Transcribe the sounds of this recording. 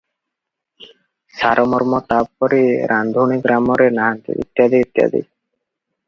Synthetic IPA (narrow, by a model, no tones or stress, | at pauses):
saɾɔmɔɾmɔt̪ab̚pɔɾiɾʔand̪ʱuniɡɾamɔɾenaɦant̪ḭḭt̪ːjad̪iit̪ːja̰d̪ḭ